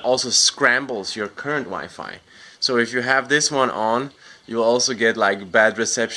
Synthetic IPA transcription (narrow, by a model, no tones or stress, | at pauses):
ʔɔlˠsoʊskɹæ̃mbl̩ˠzjə˞kʰɜ˞ɨ̃ntwa̰ɪfa̰ɪ | soʊɨfjɨɨvðɪswʌ̃nʔə̃njɨlɔlˠsoʊɡɛtˡlaɪk̚bæd̚ɹɨsɛpʃ